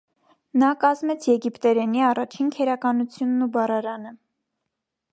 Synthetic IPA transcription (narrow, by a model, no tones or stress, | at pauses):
nɑkɑzmɛt͡sʰjɛɡipt̪ɛɾɛniɑrɑt͡ʃʰinkʰɛɾɑkɑnut͡sʰjunːubɑrɑɾɑnə